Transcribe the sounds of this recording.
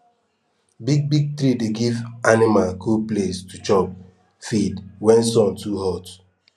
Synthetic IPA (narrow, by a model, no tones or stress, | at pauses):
biɡ̚biɡ̚tɾideɡivanimalkʰuplestut͡ʃɔp | fidwɛ̃nsɔ̃ntuhɔt